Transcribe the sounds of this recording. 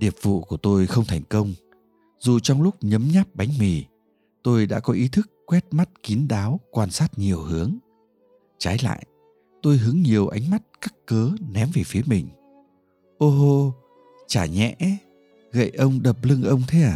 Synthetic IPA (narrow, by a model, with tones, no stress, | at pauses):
ɗi˨˩əp̚vṵ˧˨ku˧˩ət̪o˧jxə˧wŋ͡mt̪ʰɛ˨˩jŋ̟kə˧wŋ͡m | zu˨˩t͡ɕɔ˧wŋ͡mlʊ˦˥k͡p̚ɲə˨˦mɲa˦˥p̚ɓa˨˦jŋ̟mi˨˩ | t̪o˧jɗa̰ː˧˥kɔ˨˦ʔi˨˦t̪ʰɨ˦˥kːwɛ˦˥t̚ma˦˥t̚ki˨˦ənɗaː˨˦wkwaː˧nsaː˦˥t̚ɲi˨˩əwhɨ˨˦əŋ | t͡ɕaː˨˦jla̰ː˧˨jʔ | t̪o˧jɦɨ˨˦ŋɲi˨˩əwʔa˨˦jŋ̟ma˦˥t̚ka˦˥kkəː˨˦nɛ˨˦mve˨˩fi˨˦əmï˨˩ŋ̟ | ʔo˧ɦo˧ | t͡ɕaː˧˩ɲɛ̰˧˥ | ɣə̰˧˨jʔə˧wŋ͡mɗə˨˩p̚lɨ˧ŋʔə˧wŋ͡mt̪ʰe˨˦aː˨˩